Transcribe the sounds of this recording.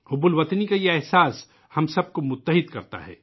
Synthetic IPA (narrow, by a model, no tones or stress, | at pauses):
hʊbʊlʋɐt̪nikajeɛɦsaːs | hɐmsɐb̚komʊt̪ːəɦɪd̪kɐɾt̪a̰ɦɛ̰ː